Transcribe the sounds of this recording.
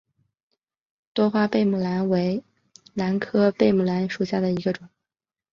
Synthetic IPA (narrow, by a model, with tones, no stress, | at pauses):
t̪wɔ˥xwa˥pe˥˩ɪmu˨˩la˧˥nwe˧˥ɪ | la˧˥nkʰɤ˥pe˥˩ɪmu˨˩la˧˥nʂu˨˩ɕja˥˩d̪ə˩i˧˥ɡə˧ʈ͡ʂʊ˨˩˦ŋ